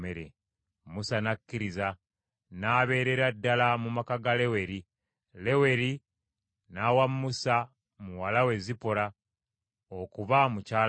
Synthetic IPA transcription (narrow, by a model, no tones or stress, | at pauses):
eɾḛ | musanakːiɾiza | naβe̞ːɾe̞ɾadːalamumakaɡale̞we̞ɾi | le̞we̞ɾi | nawamːusa | muwalawe̞zipoɾa | okuβamucaː